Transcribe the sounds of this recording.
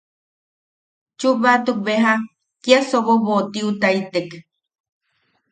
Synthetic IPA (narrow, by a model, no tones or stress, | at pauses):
t͡ʃubat̪uk̚beɦa | kiasoβoβot̪iut̪ait̪ek